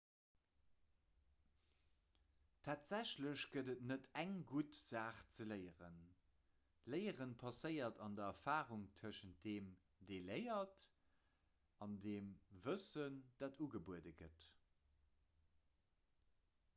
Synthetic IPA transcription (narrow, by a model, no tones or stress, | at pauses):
tʰaːtz̥æɕləɕɡ̥ədətnətæŋɡutz̥aːχt͡sələɪəʁə̰n | ləɪəʁənpʰɑsəɪɐtʰɑndɐɛfaːʁuŋtʰəʃənt̚d̥eːm | deːləɪɐt | ɑndeːmvəsənd̥aːtuɡəbuədəɡət